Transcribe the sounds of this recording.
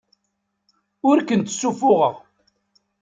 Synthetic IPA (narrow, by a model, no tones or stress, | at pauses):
ʊɾkənt̪sːufʊʁəʁ